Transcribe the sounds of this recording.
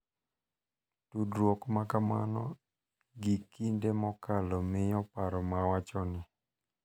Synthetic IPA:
tudɾwokmakamanɔ̰ | ɡikindemɔkalɔmɪjɔpaɾɔmawat͡ʃɔnɪ

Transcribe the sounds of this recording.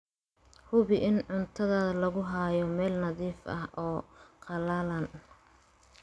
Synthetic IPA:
hʊβɪʔɪnʕʊnt̪ʰɐðaːðɐlɐɣʊɦaːjɔmɛːlnɐðiːfɐ̰hʔɔːqɑlaːlɐn

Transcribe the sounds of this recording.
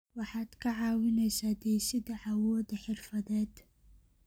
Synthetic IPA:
wɑħɑːd̪kʰɐʕɑːwɪnɛjsaːd̪ɛjsɪd̪ɐʕawɔːd̪ɐħɪrfɐðɛːd̪

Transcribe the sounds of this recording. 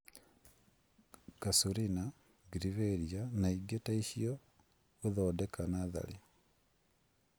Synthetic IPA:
kasuɾina | ɡiɾiβeɾjanaiɡetaiʃio | uðodekʰanaða̰li

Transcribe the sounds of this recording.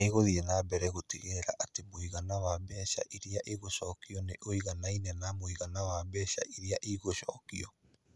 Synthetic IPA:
eɣoðiɛnaːbɛɾɛɣotiɣeɾa̰ʔatemoiɣanawabɛɕa̰ʔiɾiaʔeɣoɕɔkiɔneʔoiɣanainɛnamoiɣanawabɛːɕa̰ʔiɾiaʔiɣoɕɔːkiɔ

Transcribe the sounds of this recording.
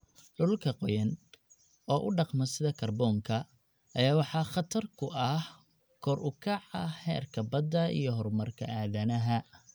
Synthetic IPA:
ɖʊlkʰɐqɔjɐn | ɔːʔʊɖɑqmɐsɪðɐkʰɐrbɔːŋkʰɐ | ʔɐjaːwɑħɑχɑt̪ʰɐrkʰʊʔɐh | kʰɔɾʔʊkʰɑʕɑ̰hɛːrkʰɐbɐd̪ːɐḭjɞɦɔrmɐrkʰɐʔaːðɐnɐɦɐ

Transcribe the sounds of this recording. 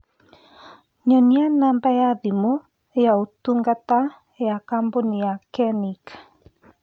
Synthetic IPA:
ɲɔnianambaeaðimo | ejaotuŋɡata | eakamboniakɛnik

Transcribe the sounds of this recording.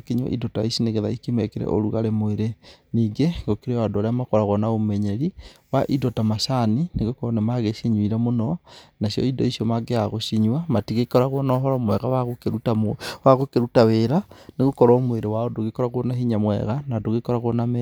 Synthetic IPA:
keɲwɔ̰ʔḭdɔtaisineɣeðaikemɛkeɾɛ̰ʔo̰ɾuɣaɾemoeɾeniːŋɡeɡokeɾeadoaɾeamakɔɾaɣɔnaomɛɲɛɾiwaʔidɔtamaʃanineɣokɔɾɔnemaɣeʃiɲwiɾamonɔnasjɔ̰idɔ̰isijɔmaɡeaɣoʃiɲwamatiɣekɔɾaɣonɔɦɔɾɔmwɛɣawaɣokeɾutamwaɣokeɾutaweɾaneɣokɔɾɔmweɾewaodoɣekɔɾaɣonaɦiɲamwɛ̰ɣanadoɣekɔɾaɣonamɛ

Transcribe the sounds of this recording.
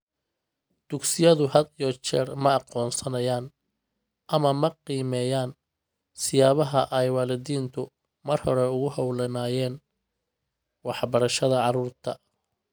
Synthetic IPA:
d̪̥ʊɡsɪjɐðʊhɐd̪ijɔt͡ʃɛːrmɐɑqɔːnsɐnɐjaːn | ʔɐmɐmɐqiːmɛːjaːn | sɪjaːβɐɦɐʔɛjwɑːlɪðiːnt̪ʰʊ | mɐrhɔɾɛʊɣʊɦɐwlɐnaːjɛːn | wɑħbɐɾɐʃɐðɐʕɑɾuːrt̪ʰɐ

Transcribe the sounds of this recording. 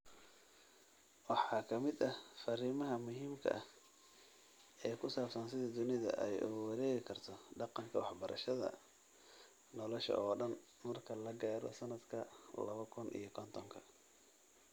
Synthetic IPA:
wɑħɑːkʰɐmɪd̪ɐhfɐɾiːmɐɦɐmʊɦiːmkʰɐ̰ʔɐ | ɛːjkʰʊsaːbsɐnsɪðɐd̪ʊnɪðɐ̰ʔɛjʊ̰ɣʊwɑɾɛːɣɪkʰɐrt̪ʰɔɖɑqɑŋkʰɐwɑħbɐɾʔɐ̰ʃɐðɐ̰ | nɔlɔʃɐ̰ɔːɖɐn | mɐrkʰɐlɐɡaːɾɔ̰sɐnɐd̪kʰɐlɐβɐkʰʊnʔḭjɞkʰɔnt̪ʰɔŋkʰɐ̰

